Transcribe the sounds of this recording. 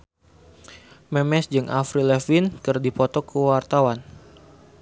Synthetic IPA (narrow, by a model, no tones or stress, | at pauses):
mɛmɛsd͡ʒɨŋʔafɾilɛfinkɨrdipɔt̪ɔkəwart̪awan